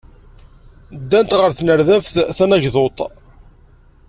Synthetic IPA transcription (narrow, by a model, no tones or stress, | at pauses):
d̪ːænt̪ʁəɾθnəɾðæfθθænæʝðot̪ˤ